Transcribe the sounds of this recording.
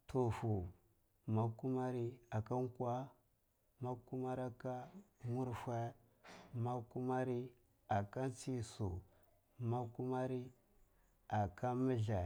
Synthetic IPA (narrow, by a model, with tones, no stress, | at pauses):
tʰo˨fu˨ | ma˨ku˦ma˦ɾi˦a˨ka˦ŋkʷa˦ | ma˦ku˦ma˦ɾa˦ka˦mu˦ɾfa˦ | ma˦ku˦ma˦ɾi˦ | a˨ka˦nt͡si˦su˨ | ma˦ku˦ma˦ɾi˦ | a˨ka˦mə˦ɮa˨